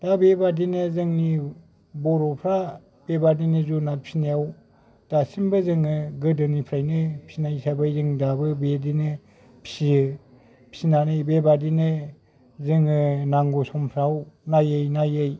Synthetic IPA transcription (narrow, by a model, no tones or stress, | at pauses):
d̥abebadinɯzɯŋni | bɔɾɔpʰɾa | b̥ebadinɯzunat̚pʰi̥snajaw | d̥asimbɯzɯŋɯɡɯdɯnipʰɾajnɯpʰi̥snajsabajzɯŋdabɯbedinɯ | pʰi̥si | pʰi̥sinanɯjbebadinɯ | zɯŋɯnaŋɡusɔmpʰɾawnajɯjnajɯj